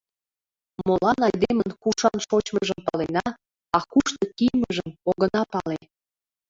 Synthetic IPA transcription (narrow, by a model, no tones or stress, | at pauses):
molɑnɑjd̪emənkuʃɑnʃot͡ɕməʒəmpɑlenɑ | ɑkuʃt̪okijməʒəmoɣənɑpɑle